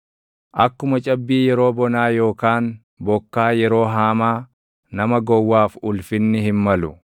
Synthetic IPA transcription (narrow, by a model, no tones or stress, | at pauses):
ʔɐkːʊmɐt͡ʃʼɐbːiːjɛɾo̞ːbɔnaːjo̞ːkaːn | bɔkːaːjɛɾo̞ːɦaːmaː | nɐmɐɡɔwːaːfʊlfɪnːɪhɪmmɐlʊ